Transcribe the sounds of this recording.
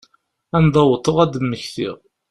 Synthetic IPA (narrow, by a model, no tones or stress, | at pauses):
ænd̪ˤɑwt̪ˤːəʁæd̪əmːəçθḭʁ